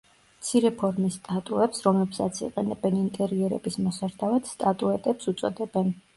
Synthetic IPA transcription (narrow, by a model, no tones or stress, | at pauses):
mt̪sʰiɾɛpʰɔɾmist̪ʼat̪ʼuɛpsɾɔmlɛpsat̪sʰḭqʼɛnɛbɛnint̪ʼɛɾiɛɾɛ̰bismɔsaɾd̪ʰavat̪st̪ʼat̪ʼuɛt̪ʼɛpsut̪sʼɔd̪ɛbɛn